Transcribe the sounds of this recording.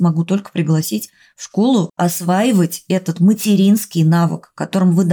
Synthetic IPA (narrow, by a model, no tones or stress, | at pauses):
mɐɡut̪o̞lʲkə̥pɾʲɪɡlˠɐsʲitʲ | fʂko̞lˠʊɐsvajɪvətʲɛt̪ət̪mətʲɪɾʲinskʲɪjnavə̰kːɐt̪o̞ɾɨmvɨd̪